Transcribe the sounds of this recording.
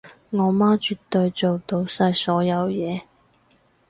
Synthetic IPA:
ŋɔː˨˧˥maː˥t͡ʃy˨t̪ːɵ˧ɥt͡so˨wt̪o˧wsɐ˧jsɔː˨˥jɐ˨˧wjɛː˨˧

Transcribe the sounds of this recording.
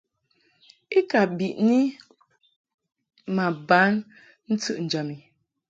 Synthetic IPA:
i˦ka˨bi˨ʔni˦ | ma˨ba˨˦n | n̩˦tɨ˦ʔn̩˨d͡ʒa˨mi˨

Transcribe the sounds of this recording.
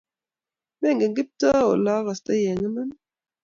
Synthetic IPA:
mɛ˦˨ŋɡe˨ŋɡi˦p̚ta˦o˨la˦ɣa˨sta˦jɛ˨ŋə˦na˦n

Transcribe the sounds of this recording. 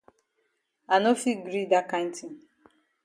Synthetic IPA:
a˨no˦fi˦ɡɾi˦da˦kã˦n˦ti˨n

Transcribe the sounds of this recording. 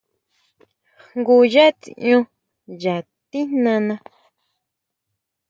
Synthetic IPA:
hŋɡu˧˨ja˦t͡s̪ḭ˨ũ˧ | ja˨ | t̪i˦nnã˧nã˧

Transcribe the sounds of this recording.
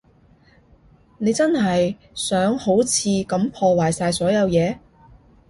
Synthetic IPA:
ne˨˧jt͡sɐ˥nɦɐ˨j | sœː˨˥ŋho˨˥wt͡sʰiː˨˧kɐ˨˧mpʰɔː˧waː˨˩jsaː˧jsɔː˨˥jɐ˨˧wjɛː˨˧

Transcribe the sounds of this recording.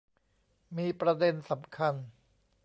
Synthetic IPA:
miː˧pɾa˧de˧nsa˩˦mkʰa˧n

